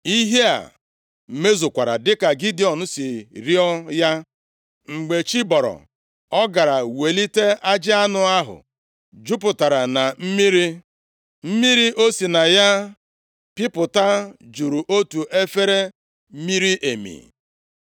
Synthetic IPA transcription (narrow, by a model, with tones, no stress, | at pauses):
i˦ɦe˦a̰˨ | m̩˨me˦zʊ˨kʷa˨ɾa̰˨dɪ˦ka˨ɡi˦di˨ɔ˨nʊ˦sɪ˨ɾi˦ɔ˦ja˦ | ŋ͡m̩˨ɡ͡be˨t͡ʃi˦bɔ˨ɾɔ̰˨ | ɔ˦ɡa˨ɾa˨we˨li˦te˦a˦d͡ʒɪ˦a˦nʊ˨a˦ɦʊ̰˨ | d͡ʒu˦pʊ˨ta˨ɾa˨na˨m̩˦mi˦ɾi˦ | m̩˦mi˦ɾi˦ʔo˦si˨na˨ja˦ | pi˦pʊ˨ta˦d͡ʒu˨ɾu˨ʔo˦tu˨ʔe˦fe˦ɾe˦ | mi˦ɾi˦ʔe˨mḭ˨